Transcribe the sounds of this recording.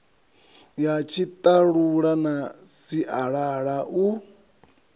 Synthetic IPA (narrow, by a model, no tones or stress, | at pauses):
jat͡ʃʰit̪ʼaɺuɺanasiʔaɺaɺaʔu